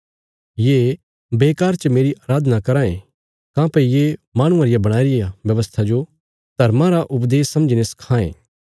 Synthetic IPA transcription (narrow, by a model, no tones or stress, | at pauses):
jeː | beːkaːɾt͡ʃəmeːɾiʔaːɾaːd̪ʱnakɐɾãːḛ̃ | kãːpɐijemãːɽ̃ũãɾɪjabɐɽ̃aːiɾɪjaʋjɐʋəst̪ʰad͡ʒo | d̪̥ʱɐɾmãɾaʔʊpd̪eːsːɐməd͡ʒineskʰãːḛ̃ː